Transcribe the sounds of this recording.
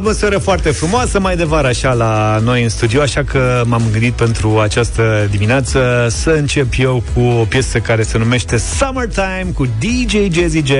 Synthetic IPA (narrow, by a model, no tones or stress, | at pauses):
məseɾəfoart̪e̞fɾumoasəmajd̪e̞vaɾəaʃalano̞jɨnst̪ud̪ioaʃakʰəmamɨŋɡɨnd̪it̪̚pe̞nt̪ɾuat͡ʃast̪əd̪imineat̪səsəɨnt͡ʃe̞pje̞wkʰuo̞pje̞səkaɾe̞se̞nume̞ʃt̪e̞samərt̪ajmkud̪id͡ʒejd͡ʒezit͡ʃe